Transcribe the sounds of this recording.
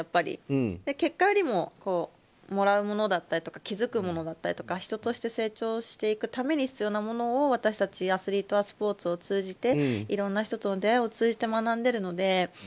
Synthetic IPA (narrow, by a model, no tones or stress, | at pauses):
japːaɾʲḭd̪eke̞kːajo̞ɾʲimo̞ko̞ː | mo̞ɾaɯ̟mo̞no̞d̪at̪ːaɾʲit̪o̞kakʲizɨkɯ̟mo̞no̞d̪at̪ːaɾʲi̥t̪o̞kaçi̥t̪o̞t̪o̞ɕi̥t̪e̞se̞ːt͡ɕo̞ːɕi̥t̪e̞ikɯ̟t̪ame̞ɲ̟içi̥t͡sɨjo̞ːnamo̞no̞ːβat̪aɕi̥t̪at͡ɕiasɨɾʲit̪o̞βasɨ̥po̞ːt͡sɨo̞t͡sɨːʑit̪e̞iɾõ̞nːaçi̥t̪o̞t̪onod̪ejao̞t͡sɨːʑit̪e̞manãnd̪e̞ɾɯ̟no̞d̪e̞